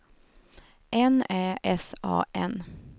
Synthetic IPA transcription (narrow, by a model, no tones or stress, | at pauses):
ʔɛneːɛsɑ̰ːʔɛn